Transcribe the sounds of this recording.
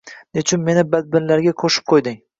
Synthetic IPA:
nɪt͡ʃʰʊnme̞nɪbad̪̚bɪnlaɾɡʲaqʰoʃɪ̥p̚qʰojd̪ɪŋ

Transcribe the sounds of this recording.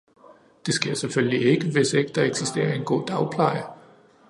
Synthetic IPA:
d̥e̝sɡ̥e̝ɐ̰seføllie̝ɡ̥əʋe̝se̝ɡ̥əd̥ɑ̈eɡ̥sisd̥e̝̰ːɐe̝nɡ̥o̝̰ːd̥ɑ̈ʊpʰlɑ̈ɪ̰ɐ

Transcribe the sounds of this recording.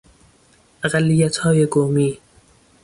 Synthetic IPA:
ʔaɢalːijæt̪hɒːjeɡoːmiː

